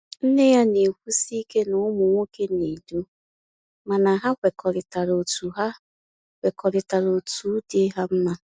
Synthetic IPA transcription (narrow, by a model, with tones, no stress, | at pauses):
n̩˦ne˦ja˦ne˨kʷu˦si˦ke˦nʊ˨˦mʊ˨ŋʷo˦ke˦ni˨du˦ | ma˨na˨ɦa˦kʷe˨kɔ˨ɾɪ˨ta˨ɾo˨tu˨ɦa˦ | wʷe˨kʰɔ˨ɾɪ˨ta˨ɾo˨tu˨˦de˦ɦa˦m̩˦ma˦